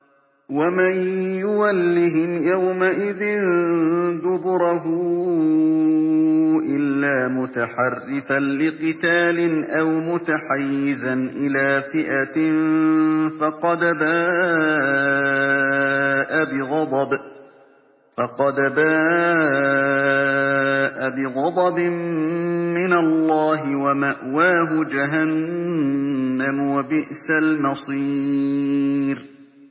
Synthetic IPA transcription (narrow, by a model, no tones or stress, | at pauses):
wamanjʊwalːiɦɪmjawmaʔɪðɪn | d̪ʊbʊɾˤɑɦʊ | ʔɪlːaːmʊt̪aħɑrːɪfanlɪqɨt̪aːlɪnʔawmʊt̪aħajːɪzanʔɪlaːfɪʔa | fɑqɑd̪abaː | ʔabɪɣɑd̪ˤɑb | fɑqɑd̪abaː | ʔabɪɣɑd̪ˤɑbɪmː | ɪnalːɑːɦɪwamaʔwaːɦʊd͡ʒaɦan | amwabɪʔsalmɑsˤiː | ɾ